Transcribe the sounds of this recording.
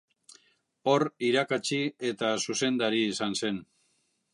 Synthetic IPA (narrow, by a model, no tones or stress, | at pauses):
o̞riɾakat͡ʃie̞t̪asuse̞nd̪aɾiːsanse̞n